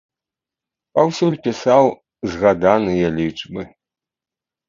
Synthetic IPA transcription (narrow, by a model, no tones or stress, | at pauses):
pɐwsʲulʲpʲisaw | zɣad̪anɨjɛlʲit͡ʂbɨ